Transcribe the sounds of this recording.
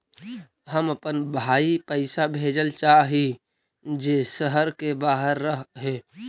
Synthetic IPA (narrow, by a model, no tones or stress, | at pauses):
ɦəməpənbʱaːipəɪsabʱeːd͡ʒəlt͡ʃaːɦi | d͡ʒesəɦəɾkebaːɦəɾːəɦɦeː